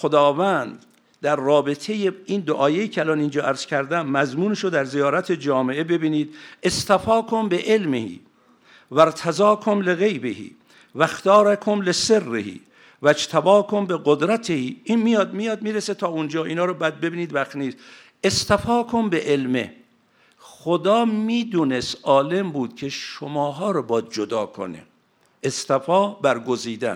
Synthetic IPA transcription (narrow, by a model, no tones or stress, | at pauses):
xod̪ɒːvænd̪ | d̪æɾːɒːbet̪ʰejeiːnd̪oʔɒːjejiːcʰeælɒːnind͡ʒɒːʔæɾz̥cʰæɾd̪æmːæzmuːneʃod̪æɾzijɒːɾæt̪ʰe̞d͡ʒɒːmeʔebe̞biːniːd̪est̪æfɒːkʰombeʔelmḛhḭː | væɾt̪ʰæzɒːkʰomleɣejbḛhḭː | væxt̪ʰɒːɾakʰomleserːḛhḭː | væd͡ʒt̪ʰæbɒːkʰombeɡod̪ɾæt̪ʰehiːʔiːnmijɒːd̪mijɒːd̪miːɾeset̪ʰɒːund͡ʒɒːʔiːnɒːɾɔbæd̪̚be̞biːniːd̪væxt̪niːs | est̪æfɒːkʰombeʔelmḛ | xod̪ɒːmiːd̪uːnest̪ʔɒːle̞mbuːd̪̥kʰe̞ʃomɒːɦɒːɾɔbɒːd̪̚d͡ʒod̪ɒːkʰo̰nḛ | ʔest̪æfɒːbæɾɡoziːd̪æ̰n